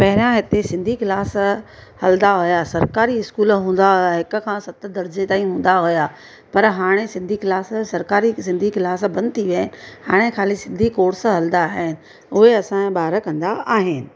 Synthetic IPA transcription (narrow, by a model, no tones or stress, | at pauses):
pɐɦɪɾijãɦɪt̪esɪ̃nd̪ʱikɪlaːs | hɐld̪aɦʊjasɐɾkaːɾiɪskuːlɦũːn̆d̪aɦʊjaɦɪkʊ̆kʰãːsɐt̪əd̪ɐɾd͡ʑet̪aːĩɦũːn̆d̪aɦʊja | pɐɾɦaːɽ̃esɪ̃nd̪ʱiklaːssɐɾkaːɾisɪ̃nd̪ʱikɪlaːsbɐ̃nd̪̚t̪ʰiʋəɦɪnɪ̆haːɽ̃ekʰaːlisɪ̃nd̪ʱikoːɾsɦɐld̪aːɦɪnɪ̆ | ʊɦeɐsãbaːɾə̆kɐ̃nd̪aaːɦɪnɪ̆